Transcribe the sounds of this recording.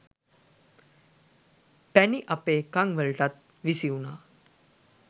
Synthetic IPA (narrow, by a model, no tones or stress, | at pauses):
pɛniʔapekãŋɡʋəɭʈat̪̚ | ʋisiwuna